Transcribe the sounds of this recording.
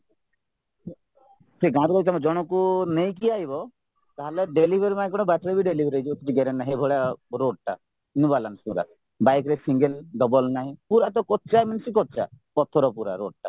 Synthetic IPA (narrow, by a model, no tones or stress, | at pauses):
pʰɾiɡãɾkɔɾit̪amɔd͡ʒɔɽ̃ɔkunejk̬iaɦibɔ | t̪aɦaleɖelibʱeɾimãkɔɽ̃ɔbaʈɾebiɖelibʱɾejt͡ʃʰibɔkit͡ʃiɡeɾenːaɦebʱɔɭjaɾoɖ̚ʈa̰ | nubalanspuɾa̰ | bajkɾesʰiŋɡelɖɔbɔlnaɦĩpuɾat̪ɔkɔt̪t͡ʃajmansikɔt̪̚t͡ʃapɔt̪ʰɔɾɔpuɾa̰ɾoɖ̚ʈa